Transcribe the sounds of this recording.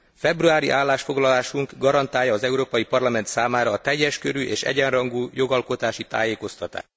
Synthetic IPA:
fɛbruaːɾḭʔaːlːaːʃfo̞ɡlɒlaːʃuŋɡɡɒɾɒnt̪aːjːɒːzɛuɾoːpɒjipɒrlɒmɛnt̪saːmaːɾɒːt̪ɛjːɛʃkø̰ɾyʔeːʃɛ̰ɟɛnrɒŋɡuːjo̞ɡɒlko̞t̪aːʃit̪a̰ːjeːko̞st̪ɒt̪a̰ːʃt

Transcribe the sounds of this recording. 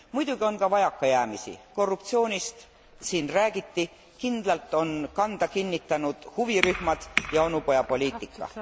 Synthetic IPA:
mujd̪̥uɡ̥io̞nkɑvɑjɑkːˑɑjæːmisḭko̞rːup̚t̪sio̞ːnʲist̪ | siːnræːɡ̥it̪ːi | kind̪̥lɑlt̪ːˑo̞nkɑnd̪̥ɑkinʲːit̪ːˑɑnud̪̥huviryhmɑd̪̥jɑo̞nupo̞jɑpo̞lʲiːt̪ːˑikːɑ̰

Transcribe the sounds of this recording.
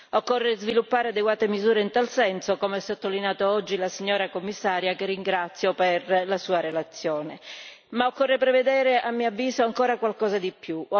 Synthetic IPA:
okːorːezvilupːaːɾead̪eɡwaːt̪emizuːɾeint̪alsɛnsokomeɛsot̪ːolinjaːt̪oɔd͡ʒːilasiɲːoːɾakomːisːaːɾjakerːiŋɡɾat̪sːjoperlasuːaɾelat̪sːjoːne | maokːorːepɾeved̪ɛːɾeʔamːiavːiːzoaŋkoːɾakwalkɔːzad̪ipːju

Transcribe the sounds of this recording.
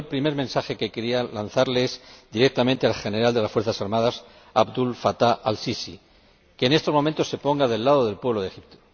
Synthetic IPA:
elpɾime̞ɾmẽnsaxe̞ke̞ke̞ɾialanθaɾlezd̪iɾe̞k̚t̪amẽnt̪ealxe̞neɾald̪e̞lasfweɾθasaɾmaðas | abd̪ulfat̪aʔalsisi | ke̞ːne̞st̪o̞mo̞ment̪ose̞po̞ŋɡaðe̞lːaðo̞ðe̞lpweβloðe̞xip̚t̪o̥

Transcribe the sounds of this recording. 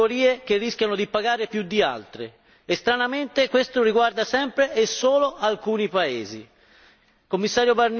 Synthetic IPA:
oɾiːek̟erːiskʲjanod̪ipaɡaːɾepjud̪ːia̰lt̪ɾḛː | st̪ɾanament̪ekwest̪oriɡward̪asɛmpɾeʔesːoːloʔalkuːnipaeːzḭ | komːisːaːɾjobarn

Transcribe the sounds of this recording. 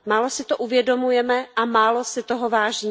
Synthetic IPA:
maːlo̞sɪt̪oʔuvjɛdo̞mujɛmɛʔamaːlo̞sɪt̪oɦovaːʒiː

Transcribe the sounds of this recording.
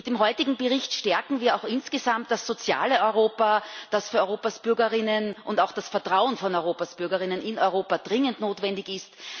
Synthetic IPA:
td̥eːmɦɔʏtɪɡŋ̩bəʁɪçtʃtɛɐkŋ̩viːɐaʊxɪnsɡ̥əzamtd̥asːot͡sja̰ːləʔɔʏʁoːpɐd̥asfyːɐɔʏʁoːpasb̥ʏɐɡɐʁɪnənʔʊntaʊxd̥asfɛɐtʁ̥aʊənfɔnɔʏʁoːpasb̥ʏɐɡɐʁɪnənʔɪnɔʏʁoːpad̥ʁɪŋəntnoːtvɛndɪçɪst

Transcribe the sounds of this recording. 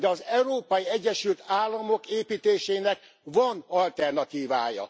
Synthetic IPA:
ɒzɛuɾoːpɒjiɛɟːɛʃylt̪aːlːɒmo̞keːpiːt̪eːʃeːnɛk | vɒnɒlt̪ɛrnɒt̪iːvaːjɒ̰

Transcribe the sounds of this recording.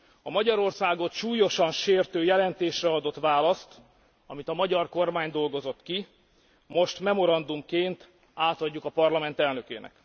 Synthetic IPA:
ɒmɒɟɒɾo̞rsaːɡo̞t̪ʃuːjo̞ʃɒnʃeːrt̪øːjɛlɛnt̪eːʃrɛɒd̪o̞t̪ʋaːlɒst̪ | ɒmit̪ɒmɒɟɒrko̞rmaːɲd̪o̞lɡo̞zo̞t̪ki | mo̞ʃt̪mɛmo̞ɾɒnd̪umkeːnt̪ | aːt̪ɒɟːukɒpɒrlɒmɛnt̪ɛlnø̞kḛːnɛ̰k

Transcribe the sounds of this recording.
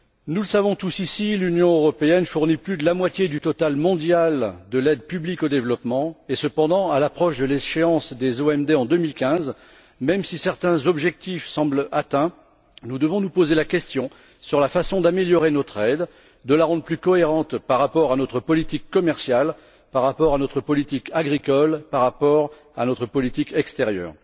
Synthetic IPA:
nuləsavɔ̃t̪usisilynjɔ̃øʁɔpeɛnfuʁniplyd̪əlamwat̪jed̪yt̪ɔt̪almɔ̃d̪jald̪əlɛd̪pyblikod̪evlɔpmɑ̃esəpɑ̃d̪ɑ̃alapχɔʃd̪əleʃeɑ̃sd̪ezoɛmd̪eɑ̃d̪ømilkʲɛ̃z | mɛmsisɛʁt̪ɛ̃zɔbʒɛk̚t̪ifsɑ̃blat̪ɛ̃ | nud̪əvɔ̃nupozelakʲɛst̪jɔ̃ | syʁlafasɔ̃d̪ameljɔʁenɔt̪χɛd̪ː | əlaʁɑ̃d̪ʁplykɔeʁɑ̃t̪paʁːapɔʁanɔt̪χəpɔlit̪ikːɔmɛʁsjal | paʁːapɔʁanɔt̪χəpɔlit̪ikaɡʁikɔlpaʁːapɔʁ | anɔt̪χəpɔlit̪ikɛkst̪eʁjœ̰ːʁ

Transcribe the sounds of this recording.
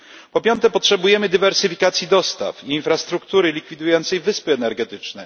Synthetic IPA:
pɔpʲjɔnt̪ɛpɔtʂɛbujɛmɘd̪ɘvɛɾsɘfʲikat̪sʲjid̪ɔst̪a̰fiːnfɾast̪ɾukt̪uɾɘlʲikfʲid̪ujɔnt̪sɛjvɘspɘɛnɛɾɡɛt̪ɘt͡ʂnɛ

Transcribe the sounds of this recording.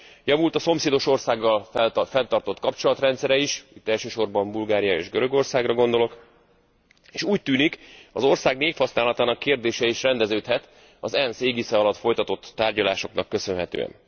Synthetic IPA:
jɒvult̪ɒso̞mseːd̪o̞ʃo̞rsaːɡːɒlfɛnt̪ɒrt̪o̞t̪kɒpt͡ʃo̞lɒt̪rɛnt̪sɛɾɛiʃit̪ːɛlʃøːʃo̞rbɒmbulɡaːɾijɒḛːʒɡøɾø̞ɡo̞rsaːɡrɒɡo̞nd̪o̞lo̞k | eːʃuːc̚t̪yːnikɒzo̞rsaːɡneːfhɒsnaːlɒt̪aːnɒkːeːrd̪eːʃɛiʃrɛnd̪ɛzøːt̪hɛt̪ | ɒzɛnseːɡisɛɒlɒt̪fo̞jt̪ɒt̪o̞t̪ːaːrɟɒlaːʃo̞knɒkːø̞sø̞nɦɛt̪ø̰ːɛ̰n

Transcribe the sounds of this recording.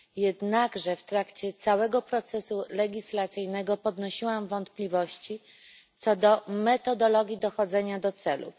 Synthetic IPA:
jɛd̪naɡʐɛft̪ɾakt͡ɕɛt̪sawɛɡɔpɾɔt̪sɛsulɛɡʲislat̪sɘjnɛɡɔpɔd̪nɔɕiwamvɔnt̪plʲivɔɕt͡ɕi | t̪sɔd̪ɔmɛt̪ɔd̪ɔlɔɡʲjid̪ɔxɔd̪zɛɲad̪ɔt̪sɛlṵ

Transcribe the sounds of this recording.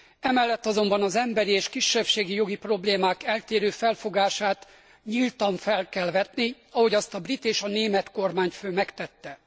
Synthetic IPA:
ɛmɛlːɛt̪ːɒzo̞mbɒnɒzɛmbɛɾieːʃkiʃːɛpʃeːɡijo̞ɡipro̞bleːmaːkɛlt̪eːɾøːfɛlfo̞ɡaːʃaːt̪ | ɲilt̪ɒɱfɛlkɛlvɛt̪ni | ɒɦo̞ɟɒst̪ɒbrit̪eːʃɒneːmɛt̪ko̞rmaːɲføːmɛkt̪ɛt̪ːɛ

